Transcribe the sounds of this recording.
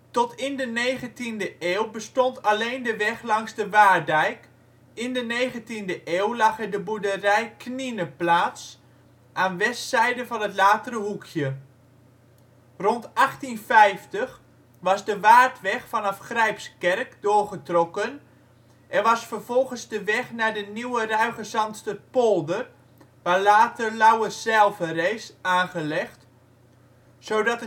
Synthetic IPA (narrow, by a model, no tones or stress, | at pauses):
tɔtʰɪndənejχəntindəʔeːwbəstɔntʰaleːndəʋɛχlɑŋzdəʋaːrdɛjk | ɪndəneːjχəntindəʔeːwlɑχɛɹdəbudərɛjkʰninəplaːts | ʔaːnʋɛstsɛjdəvɑnɦətlaːtərəɦukʰjə | rɔntɑχtinfɛjftəx | ʋɑzdəʋaːrtʋɛxfɔnɑfχrɛjpskɛrkdʊːrχətrokən | ʔɛnʋɑsfərv̥ɔlˠɣənzdəʋɛχnaːdəniwərœɥχəsɑmtstəpolˠdər | ʋaːlaːtərlawəsɛlˠfəreːsaːnχəlɛxt | soːdɑtə